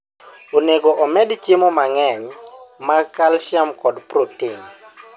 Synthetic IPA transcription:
oneɡoʔɔmɛdt͡ʃemomaŋɛɲmakalʃjamkɔdprotiŋ

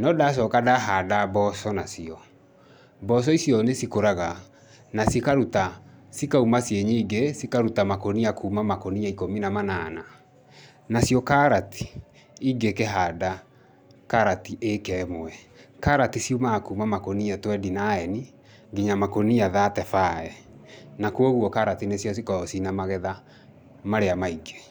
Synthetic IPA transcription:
nɔdas̬ɔkadaɦadabɔsɔnasiɔ | bɔs̬ɔisjɔnesikoɾaɣa | nasikaɾutasikaumasjeɲiːɡesikaɾutamakoniakuːmamakoniaikominamanana | nasiɔkaɾati̥ | iɡekeɦaːda | kaɾatiʔekɛːmoɛ | kaɾatisiumakuːmamakoniatwɛdinaɛni | ɡiɲamakoniaðatɛfaɛ | nakuoɣwɔkaɾatinesjɔs̬ikɔsinamaɣɛða | maɾeamaiɡe

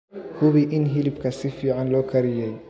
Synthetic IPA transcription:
hʊβiʔɪnɦɪlɪbkʰɐsɪfiːʕanlɔːkʰɐɾɪjɛj

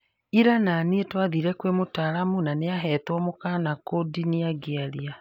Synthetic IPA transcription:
iɾananietwaðiɾɛkwemotaɾamunaneaɦɛtwɔmokanakodiniaɡeaɾia

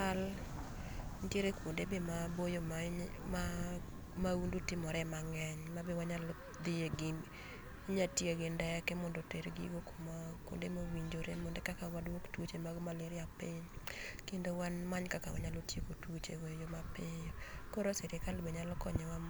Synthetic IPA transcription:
al | ntjeɾekondebemabojomma | maundutɪmɔɾɛmaŋɛɲmabewaɲal | d̪ɪjeɡɪ | iɲatjeɡɪndɛkɛmɔndoteɾɡiɡokomakwʊ̰ndemowiɲd͡ʒoɾemondekakawadwoktot͡ʃemaɡomalɪɾɪapɪɲkendowanmaɲkakawa̰ɲalotjekotwot͡ʃḛɡojjomapɪjokoɾosɛɾɪkalbeɲalɔkɔɲɛwam

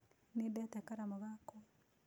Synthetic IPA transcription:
nedɛtɛkaɾamoɣakɔ

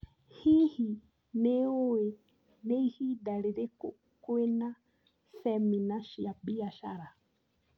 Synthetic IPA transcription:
hihi | newe | neihidaliɾe | kwena | θɛminaʃiabiaʃaɾa

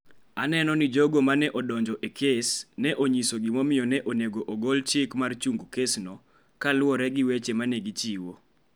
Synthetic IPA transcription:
anɛnɔnɪd͡ʒoɡomanɛʔɔdɔɲd͡ʒɔʔekʰesnɛʔoɲisoɡɪmɔmɪjɔnɛʔoneɡoʔoɡolt͡ʃɪkmart͡ʃuŋɡukesnɔ | kalʊwɔɾɛɡɪwet͡ʃemanɛɡit͡ʃiwo

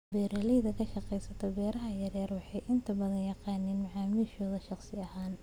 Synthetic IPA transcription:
bɛːɾɐlɛjðɐkʰɐʃɑqɛjsɐt̪ʰɔbɛːɾɐɦɐjɐɾɛːrwɑħɑjʔɪnt̪ʰɐbɐðɐnjɑqɑːnɪːnmɐʕɑːmiːʃɔːðɐʃɑqsɪɐhaːn

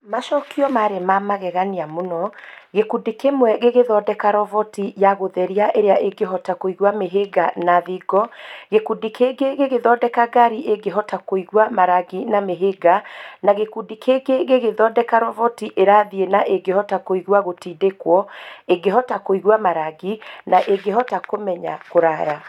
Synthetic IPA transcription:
maʃɔkiɔmaɾemamaɣɛɣaniamonɔɣekudikemwɛɣeɣeðɔːdɛkaɾɔvɔtijaɣoðɛɾiaʔeɾeaʔeɡeɦɔtakoiɣwameɦeɡanaðiɡɔɣekudikʰeɡeɣeɣeðɔdɛkaɡaɾiʔeɡeɦɔtakoiɣwamaɾaɣinameɦeɡanaɣekudikʰeɡeɣeɣeðɔdɛkaɾɔvɔtiʔeɾaːðienaʔeɡehɔtakoiɣwaɣotiːdekwɔeɡeɦɔtakoiɣwamaɾaɡinaʔeɡeɦɔtakomɛɲa̰koɾaja

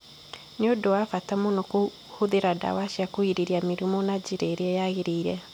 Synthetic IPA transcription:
neodowafatamonɔko | hoðeɾada̰waʃiakoiɾeɾiameɾumɔnad͡ʒeɾeːɾeɛjaɣeɾeiɾɛ

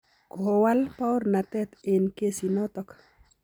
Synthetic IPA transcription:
kɔɦowalpawɾnat̪ɛt̪enkesinɔt̪ɔk

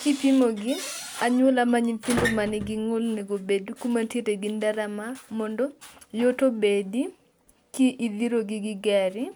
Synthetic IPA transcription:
kipimoɡɪaɲwʊlamaɲimpindomanɪɡɪŋolneɡobedukumantjeteɡɪndaɾamamɔndɔjotobedi | kiʔiðiɾoɡɪɡɪɡɛɾɪ

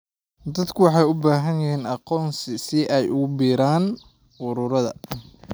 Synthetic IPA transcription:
d̪ɐd̪kʰʊwɑħɑjʊbaːɦɐnjɐɦiːnɑqɔːnsɪsɪʔɛjʊɣʊbiːɾaːn | ʔʊɾʊɾɐðɐ̰

